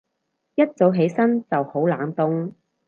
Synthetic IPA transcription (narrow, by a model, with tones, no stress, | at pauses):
jɐ˥t̚t͡so˨˥wɦe˨˥jsɐ˥nt͡sɐ˨who˨˥wla̰ː˨˥nt̪ʊ˥ŋ